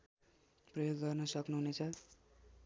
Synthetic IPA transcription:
prʌjoɡːʌrnʌsʌknuɦunet͡sʰʌ

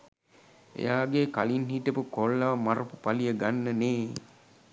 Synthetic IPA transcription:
ḛjaːɡekalinɦiʈəpəkolːaʋmaɾəpupalijəɡanːəneː

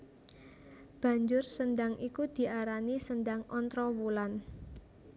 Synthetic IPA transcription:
b̥a̤ɲd͡ʒʊrsənd̪aŋʔikud̪̥i̤ʔaɾanisənd̪aŋɔnt̪ɾɔwulan

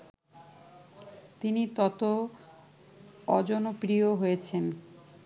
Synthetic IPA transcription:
t̪init̪ɔt̪o | ɔd͡ʑɔnopɾioɦojet͡ɕʰen

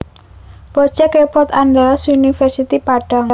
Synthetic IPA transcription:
pɾɔ̥d͡ʒ̥ɛk̚repɔrt̪and̪ɔlɔsunifɛrsit̪ipaɖ̥a̤ŋ

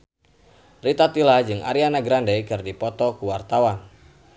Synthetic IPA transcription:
rit̪at̪ilad͡ʒɨŋa̰ɾianaɡɾandaikɨrdipɔt̪ɔkuwart̪awan

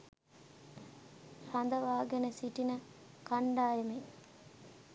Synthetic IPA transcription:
rand̪əʋaːɡenəsiʈinəkaɳɖaːjeme

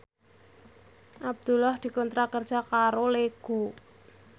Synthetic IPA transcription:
ʔab̚d̪̥ṳlɔhd̪̥i̤kɔnt̪ɾakərd̥ʒ̥a̤kaɾoleɡ̥o

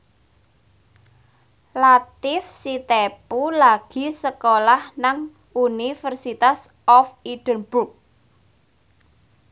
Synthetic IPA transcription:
lat̪ɪfsit̪epulaɡ̥i̤səkolahnaŋ | unifərsit̪as | ɔfiɖ̥ə̤nbuk̚

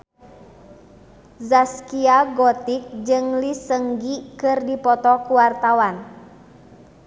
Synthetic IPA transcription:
zaskiaɡɔt̪ik̚d͡ʒɨŋlisəŋɡikɨrdipɔt̪ɔkuwart̪awan

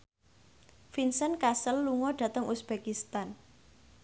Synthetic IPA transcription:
finsənkasəlːuŋɔɖ̥ä̤t̪əŋʔusb̥ekist̪an

